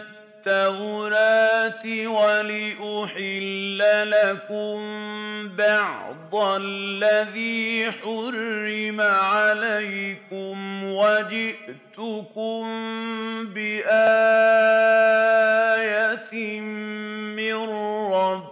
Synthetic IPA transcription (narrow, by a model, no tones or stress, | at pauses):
t̪ːawʊɾaːt̪ɪwalɪʔʊħɪlːalakʊmbɑʕd̪ˤallːaðiːħʊrːɪmaʕalajkʊmwad͡ʒɪʔt̪ʊkʊm | bɪʔaː | jat̪ɪ | mɪnːɑb